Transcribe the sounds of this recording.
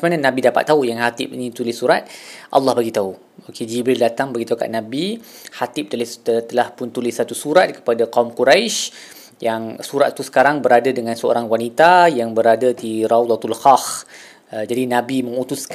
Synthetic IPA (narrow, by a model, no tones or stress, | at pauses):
mananãbidapa̰t̪ːaujaŋhat̪ɪp̚inĩt̪ulɪsːuɾat̪̚ʔɑ̰lːɑhbaɡit̪au | oked͡ʒibɾɪldat̪aŋbaɡit̪auka̰ʔ̚nãbihat̪ɪp̚t̪əlɪt̪t̪əlahpʊnt̪ulɪsat̪usuɾat̪̚kə̥padaqaumkuɾajʃ | jaŋsuɾat̪t̪ːusə̥kaɾaŋbəɾadadəŋãnsəo̰ɾaŋwanit̪ajaŋbəɾadat̪iɾawd̪ɔt̪ulxax | d͡ʒadinãbimə̃ŋut̪usk